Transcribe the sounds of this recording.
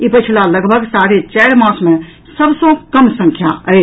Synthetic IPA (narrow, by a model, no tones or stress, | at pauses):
ipət͡ʃʰilaləɡbʱəɡsaɾet͡ʃɛːɾmãːsmẽ | səbsõkəmsə̃ŋkʰjaəe